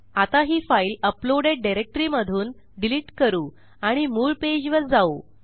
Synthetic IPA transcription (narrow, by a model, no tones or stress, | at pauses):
at̪aɦiːfailəploɽeɖɖajɾek̚ʈɾiməd̪ʱuːn | ɖiliʈkəɾuː | aɽ̃imuːɭped͡ʑʋəɾd͡zau